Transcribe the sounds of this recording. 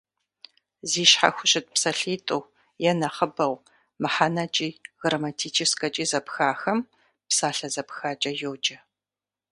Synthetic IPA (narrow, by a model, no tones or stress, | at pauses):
ziːʃħa̰xʷʊɕʼɪt̚psɐɬiːtʼow | jɛnɐχəbɐw | mɨħanɐt͡ʃʼiːɣrɐmɐtʰiːt͡ʃʰɪskʼɐt͡ʃʼiːzɐpxaːxɐm | psaːɬɐzɐpxaːt͡ʃʼɐjoːd͡ʒʼɐ